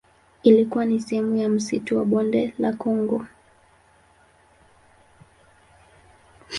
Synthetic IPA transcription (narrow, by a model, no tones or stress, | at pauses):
ilikuwanisɛhɛmujam̩situwaɓɔndɛla̰kɔŋɡɔ